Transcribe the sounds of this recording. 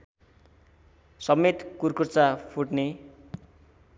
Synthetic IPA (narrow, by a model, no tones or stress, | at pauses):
sʌmːet̪kurkurt͡sapʰuʈne